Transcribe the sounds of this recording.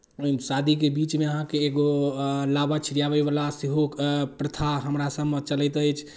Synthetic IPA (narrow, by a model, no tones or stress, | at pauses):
sad̪ʱikebit͡ʃmeəɦãkeːɡolabat͡ʃʰiɾijabəjbalasiɦopɾət̪ʰaɦəmɾasəbmət͡ʃəlɛjt̪əjt͡ʃʰ